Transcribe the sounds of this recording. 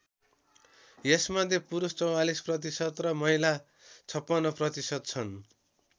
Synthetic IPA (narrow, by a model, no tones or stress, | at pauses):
jesmʌd̪ʱjepuɾust͡sʌwalisprʌt̪̬isʌt̪rʌmʌila | t͡sʰʌpːʌnːʌprʌt̪isʌd̪̚t͡sʰʌn